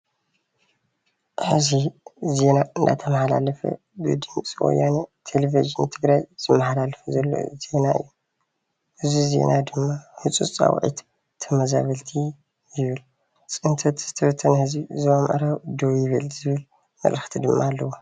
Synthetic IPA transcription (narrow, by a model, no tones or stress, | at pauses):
ħɨzize̞naɨnd̪a̰t̪ʰɐmɐħala̰lɐfɐ̰ | bɨ̰d̪ɨmt͡sʼiwo̰jːanet̪ʰelevizɨnt̪ʰɨɡɾajz̥ɨmːɐħalalɐfɐzɐlːo̰ze̞naɨ̰jːu | hɨzize̞̰nʔad̪ɨmːahɨt͡sʼut͡sʼa̰w̰ʕḭt̪ | t̪ʰːɐmɐza̰βɐlt̪ʰi | jɪβɨl | t͡sʼɨnt̪ʰɐt̪z̥ɨt̪ʰɐfɐt̪ʰːɐnhɨzizɨamʔɐ̰ɾawɨd̪owjɪβɨlzɨβɨl | mɐ̰ʔʼɾɨxt̪ʰid̪ɨmːaːlːɐwo